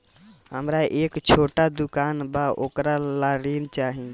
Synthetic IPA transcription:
ɦəmɾaʔekt͡ʃʰoʈad̪ukanbaʔokɾalaɾint͡ʃaɦi

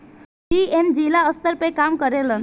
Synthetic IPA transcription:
iend͡ʒilaəst̪əɾpekamkəɾelən

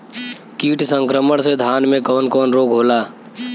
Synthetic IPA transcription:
kiːʈsə̃ŋkɾəməɽ̃sed̪ʱaːnmẽkɔːnkɔːnɾoːɡɦoːlaː

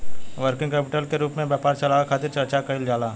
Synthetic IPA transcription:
ʋəɾkɪ̃ŋɡkɛːpɪʈəlkeɾuːpmẽbjaːpaːɾt͡ʃɐlaːkʰaːt̪ɪɾt͡ʃɐɾt͡ʃakɐɪld͡ʒaːlaː

